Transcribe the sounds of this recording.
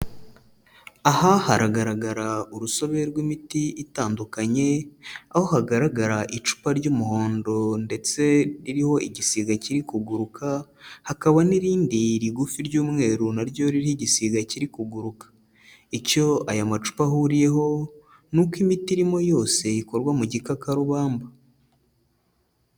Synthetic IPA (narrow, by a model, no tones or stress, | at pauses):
ahahaɾaɡaɾaɡaɾauɾuso̞βe̞ɾɡwimitiitaːndukaɲe̞aho̞haɡaɾaɡaɾaʔit͡ʃu̥paɾɟuːmuho̞ːndo̞nde̞t͡se̞ɾiɾiho̞ʔiɟisiɡaciɾikuɡuɾukʰahakaβaniɾiːndiɾiɡufiɾɟuːmŋe̞ːɾunaɾɟo̞ɾiɾihiɟisiɡaciɾikuɡuɾukḁ | ico̞ajamat͡ʃu̥pahuɾije̞ɦo̞ | nukwimitiɾimo̞jo̞ːse̞iko̞ɾɡwamuɟikakaɾuβaːmba